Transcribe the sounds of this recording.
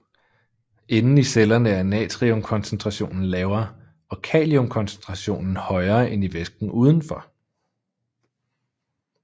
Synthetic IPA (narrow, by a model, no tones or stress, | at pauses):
e̝nn̩iselɐnəæɐnɛ̰ːt͡sʰʁiomkʰɒ̽nsent͡sʰʁɑ̈ɕo̝̰ːnn̩lɛːʊɐ | ɒ̽kʰɛ̰ːliomkʰɒ̽nsent͡sʰʁɑ̈ɕo̝̰ːnn̩hɒ̽ɪɐːʔeniʋesɡ̥n̩ʔuːð̞ˠn̩fɒ̽